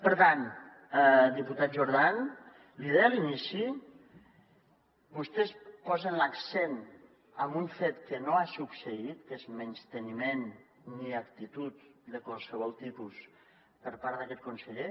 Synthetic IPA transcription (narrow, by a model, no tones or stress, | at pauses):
pəɾt̪an | d̪iput̪at̪̚ʒuɾð̞an | liðealinisi | bust̪espɔzənləksen | əmbuɱfet̪kənoasuksəit̪kezmənst̪ənimen | niakt̪it̪ut̪d̪əkwalˠsəβ̞ɔlˠt̪ipus | pəɾpaɾðəkɛt̪̚kunsəʎe